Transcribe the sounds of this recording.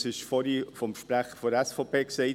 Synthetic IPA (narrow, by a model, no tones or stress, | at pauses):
sɪʃfɔɾifɔmʃpɾæχəfɔɾɛsfopeːksɛɪ